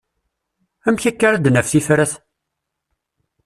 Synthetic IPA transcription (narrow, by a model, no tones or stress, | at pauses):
æmçækːaɾad̪nəfθifɾæθ